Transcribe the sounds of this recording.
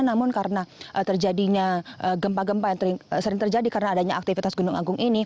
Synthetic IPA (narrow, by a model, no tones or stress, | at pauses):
namʊnkaɾənaʔət̪ərd͡ʒadiɲaʔəɡəmpaɡəmpajaŋt̪əɾɪŋsəɾɪŋt̪ərd͡ʒadikaɾənaːdaɲaak̚t̪ifit̪asɡunʊŋa̰ɡʊŋʔini